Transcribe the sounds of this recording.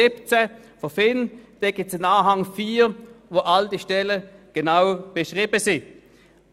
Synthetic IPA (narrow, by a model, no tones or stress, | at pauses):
ɪpt͡sɛ | fofɪnd̥ɛɡ̥ɪt͡sɪnaːɦaŋfiːvoʔald̥iʃtɛləɡ̥enaʊb̥eʃʁiːbəsɪ